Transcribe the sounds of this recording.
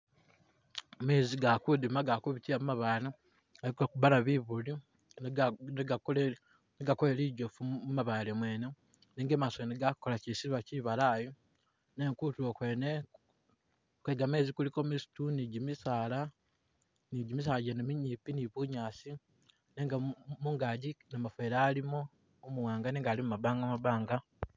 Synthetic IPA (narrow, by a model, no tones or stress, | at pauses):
me̞ːziɡakudimaɡakuβitiamumaβana | aikokubalaβiβuli | neɡa | neɡakoleliɟofuumaβaːlemwe̞ːne | neːŋɡemasoniɡakolacisiiβaciβalaːjo | neŋkutuokwene | kweɡameːzikulikomisu̥tuniɟimisaːla | niɟimis̬aːlɟenemiɲiːpiniβuɲaːsi | neŋɡamuːŋɡaːɟinamafweɾaːlimo | omuwaːŋɡaneːŋɡaːlimumaβaːŋɡamaβaːŋɡa